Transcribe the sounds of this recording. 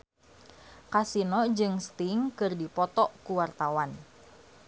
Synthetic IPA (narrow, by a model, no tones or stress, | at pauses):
kasinɔd͡ʒɨŋst̪iŋkɨrdipɔt̪ɔkuwart̪awan